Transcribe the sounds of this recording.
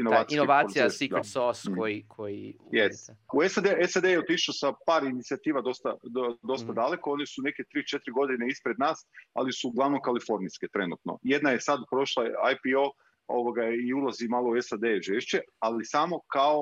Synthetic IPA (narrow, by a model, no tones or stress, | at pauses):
inoaːt̪noʋaːsiaikd̪soskoikʰojijesuesad̪eesad̪ejeot̪iʃosapaːɾinit̪siat̪iːʋad̪o̞st̪ad̪o̞st̪ad̪ale̞koo̞nisune̞ke̞t̪ɾiːt͡ʃet̪ɾiɡo̞d̪ineispɾe̞d̪naːsa̰lisuɡlaʋnokalifo̞ɾniske̞t̪ɾe̞nṵt̪no̞̰jed̪najesad̪pɾo̞ʃlˠaajpio̞ː | o̞̰ʋoɡaiulˠazimaːlˠouesad̪eʒeːʃt͡ɕealisamo̞kao